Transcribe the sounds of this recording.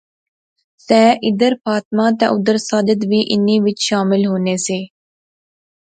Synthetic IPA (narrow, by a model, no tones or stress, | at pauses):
sɛːʔɪd̪əɾfaːt̪mãːt̪a̰ʔʊd̪əɾsaːd̪əd̪ʋiːʔɪniːʋɪt͡ʃʃaːmɪlɦoːneːseː